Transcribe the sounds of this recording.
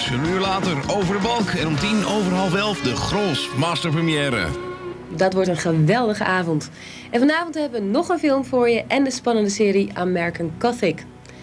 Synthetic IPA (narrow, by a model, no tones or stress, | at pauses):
ənyːɹlaːtəɹowvəɹdəbɑlˠkɛnɔmtinowvəɹɦɑlˠfɛlˠfdəχroːsmaːstəɹprəmijɛːɾə̰ | dɑtʋɔɹtənχəʋɛlˠdəχəʔaːvɔnt | ʔɛnfɑnaːvɔntɦɛbəʋənɔχənfɪlˠmvʊːɹjəʔɛndəspɑnəndəsɪːɾiʔa̰ːnmɛɹkənkɔθɪk